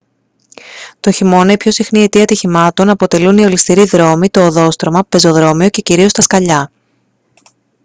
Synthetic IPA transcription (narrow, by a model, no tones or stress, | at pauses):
t̪o̞çimo̞neipço̞sixnie̞t̪iɐt̪içimɐt̪o̞nɐpo̞t̪e̞lunio̞list̪iɾiðɾo̞mit̪o̞ːðo̞st̪ɾo̞mɐpe̞zo̞ðɾo̞mio̞ce̞ciɾio̞st̪ɐskɐʎɐ